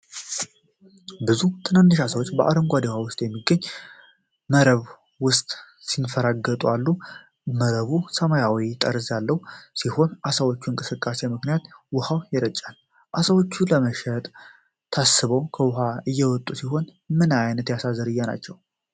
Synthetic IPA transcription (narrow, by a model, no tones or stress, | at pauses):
bɨzut̪ʰɨnanːɨʃasəwot͡ʃːbəʔa̰ɾəŋɡʷad̪ehawʊst̪ʼjɛmːiɡəɲː | məɾəβ | wʊst̪ʼ | sinfəɾaɡət̪ʼualːu | məɾəβusəmajawit̪ʼəɾzjalːəwsiho̞nʔasəwot͡ʃːuɨŋkʼɨsɨkʼːase̞mɨknijat̪wʊhawjɛɾət͡ʃʼːal | ʔasəwot͡ʃːuləməʃɛt̪ʼ | t̪ʰasɨβəwkʰəwʊɦaɨjːɛwɔt̪ʼːusiɦo̞n | mɨnajnət̪jasazːəɾɨjːana̰t͡ʃːɛw